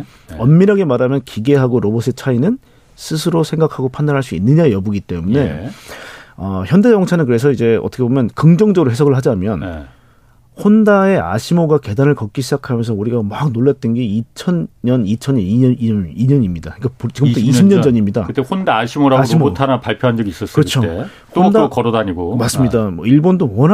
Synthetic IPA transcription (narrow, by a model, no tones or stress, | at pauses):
ʌnmiɾɦaɡe̞maɾamjʌnkiɡe̞ɦaɡoɾobosʰet͡ɕʰainɯn | sʰɯsʰɯɾosʰe̞ŋɡakʰaɡopʰandanɦaɭs͈uḭnːɯɲajʌbuɡit͈e̞mune̞ | ʌ̰çjʌndeʌŋt͡ɕʰanɯnk̬ɯɾe̞s̬ʰʌid͡ʑe̞ʌt͈ʰʌkʰebomjʌnkɯŋd͡ʑʌŋd͡ʑʌɡɯɾoɦe̞sʰʌɡɯɭad͡ʑamjʌn | hondae̞a̰ɕʰimoɡake̞danɯɭkʌk͈̚iɕʰid͡ʑakʰamjʌnsʰʌuɾiɡamaɡnoɭːet̚t͈ɯnɡeit͡ɕʰʌnɲʌnit͡ɕʰʌɲiʌiiɲʌɲimɲida̰ik͈apt͡ɕiɡɯmtʰoiimɲʌd͡ʑʌɲimɲida̰kɯtehondaaɕʰimoɾaɡaɕʰimootʰanapaɭpʰjoɦand͡ʑʌɡis͈ʌs͈ʌkɯt͡ɕʰoe | odakʌɾodaɲiɡomas͈ɯmɲiidamʌiɭbondowʌnɦ